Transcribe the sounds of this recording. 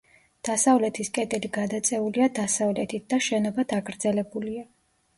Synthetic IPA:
d̪̥asavlɛt̪ʰiskʼɛd̪ʼɛliɡad̪at̪sʼɛuliad̪asavlɛt̪ʰit̪̚ʰd̪aʃɛnɔbad̪ʰaɡɾd̪zɛlɛbulia

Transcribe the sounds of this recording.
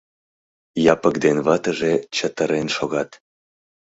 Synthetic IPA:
jɑpəkd̪enβɑt̪əʒet͡ɕət̪əɾenʃoɣɑt̪

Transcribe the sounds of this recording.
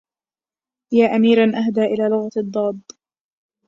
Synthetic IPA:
jaːʔamiːɾanʔaɦd̪aːʔɪlaːlʊɣad̪ˤːɑːd̪

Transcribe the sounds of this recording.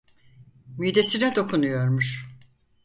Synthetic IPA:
myjd̪esinɛd̪o̞kʰunujo̞ɾmuʃ

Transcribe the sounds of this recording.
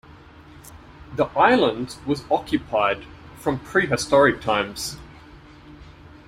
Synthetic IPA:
ðiʔaɪlˠə̃ndwɒzɒkʰjɨpʰaɪd̥ | fɹə̃mpʰɹ̥iːɦɪstɒɹɪk̚tʰãɪ̃mz̥

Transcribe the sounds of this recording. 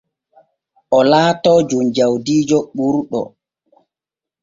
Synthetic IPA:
ʔɔlaːtɔd͡ʒumd͡ʒawdiːd͡ʒɔɓuɾɗɔ̰

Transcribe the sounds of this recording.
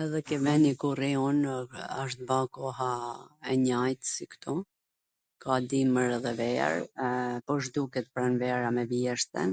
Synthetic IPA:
ɛðɛkɛvɛnikurɛɔnaʃ̬t̪̚bakɔɦaɛɲajt̪sikt̪ɔ | kʰad̪iməɾɛðɛvɛ̰ɾpɔʃ̬d̪ukɛt̪pɾɛnvɛɾamɛvjɛʃt̪ɛ̰n

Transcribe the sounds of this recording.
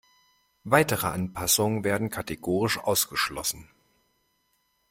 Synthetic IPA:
vaɪtəʁəʔanpʰasʊŋənveːɐdn̩kʰateɡoːʁ̞ɪʃʔa̰ʊsɡ̥əʃlɔsn̩

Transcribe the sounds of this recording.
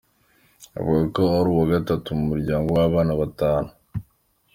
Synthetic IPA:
a̰βuɡakoaɾuwaɡatatumumuɾɟaːŋɡo̞waβaːnaβataːnu

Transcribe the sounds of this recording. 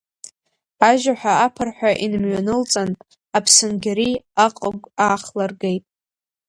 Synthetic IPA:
aʒaħʷᶣaapʰɨrħʷᶣaʔinmɥanɨlt͡sʼanʼ | apʰsɨnɡʲaɾiaqʼaɡʷaːχlarɡejtʼ

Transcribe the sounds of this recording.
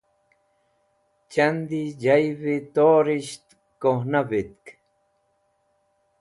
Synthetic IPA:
t͡ʃand̪id͡ʒajβit̪oːɾiʃt̪ | kohnaβit̪̚k

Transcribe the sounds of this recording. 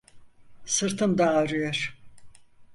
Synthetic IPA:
sɯɾt̪ʰɯnd̪aːɾyjoɾ̥

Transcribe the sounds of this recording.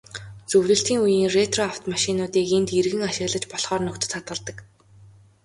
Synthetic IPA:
t͡sɵwɮɵ̆ɬt̪iːŋujiːŋret̪rɔaw̥t̪maʃɪnʊːt̪iːkent̪erɣɘ̆ŋaʃɪ̆ɣɮə̆t͡ɕpɔɮχɔːrnʊkt̪ɵ̆t̪ʰat̪ɢə̆ɮt̪ə̆k

